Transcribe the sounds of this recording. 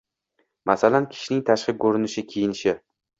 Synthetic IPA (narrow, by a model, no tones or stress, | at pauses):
masalankʲʰɪ̥ʃnɪŋt̪ʰaʃqɨkʰɵɾɪnɪʃɪkʲʰejɪnɪʃɪ